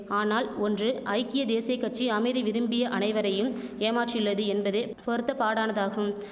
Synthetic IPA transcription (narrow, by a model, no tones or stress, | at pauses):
aːnaːlɔndrɯʔɐɪkːɪjɐd̪eːsɪjɐɪkːɐʈt͡ʃːiɐmɐɪðiʋɪɾɯmbɪjɐʔɐnɐɪʋɐɾɐjɯmeːmaːʈrɪlːɐðɯɛnbɐðeːpɔɾɯt̪ːɐpaːɽaːnɐðaːɣɯm